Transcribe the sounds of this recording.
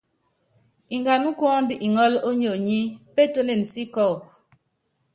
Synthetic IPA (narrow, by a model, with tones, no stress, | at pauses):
i˨ŋɡa˨nu˦kwɔː˦n˦di˦ʔi˨ŋɔ˦lo˦ɲo˨ɲi˦pe˦˨to˦ne˨n˨si˦kɔ˦˨